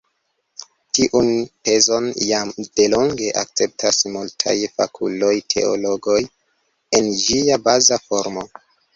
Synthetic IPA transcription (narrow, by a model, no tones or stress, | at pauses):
tiʔunpe̞zo̞njamd̥e̞lo̞ŋɡe̞ʔa̰k̚t͡se̞p̚tʰasmultʰa̰jfa̰kʰulo̞jtʰe̞̰o̰lo̞ɡoj | e̞nd͡ʒiabazafo̞ɾmo̞